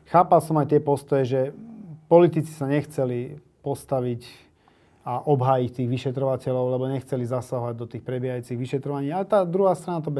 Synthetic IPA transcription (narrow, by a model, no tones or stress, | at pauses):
xaːpalsɔmajt̪ɪɛpɔst̪ɔjɛʒɛpɔlit̪it͡si̥saɲɛxt͡sɛli | pɔst̪aʋic | aʔɔbɦaːjict̪iːɣʋiʃɛt̪ɾɔʋacɛlɔʊlɛbɔɲɛxt͡sɛlizasaɦɔʋaɟd̪ɔt̪iːxpɾɛbɪjɛɦajuːt͡siɣʋiʃɛt̪ɾɔʋaɲiːalɛt̪aːd̪ɾuɦaːst̪ɾanat̪ɔb